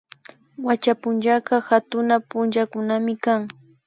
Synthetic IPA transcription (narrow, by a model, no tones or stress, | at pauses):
wat͡ʃapʊnt͡ʃakɑhat̪ʊnapʊnt͡ʃakʊnamɪkaŋ